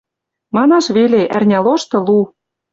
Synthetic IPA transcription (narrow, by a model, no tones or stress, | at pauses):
mɑnɑʃβeleʔærnʲɑloʃt̪ɤ̆lu